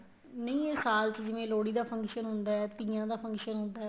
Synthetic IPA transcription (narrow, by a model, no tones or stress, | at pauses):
nəĩːesaːlt͡ʃd͡ʒɪʋẽːloːɽiːd̪aːpʰə̃ŋkʃənɦʊ̃nd̪aːɛːt̪ĩːãːd̪aːpʰə̃ŋkʃənɦʊ̃nd̪aː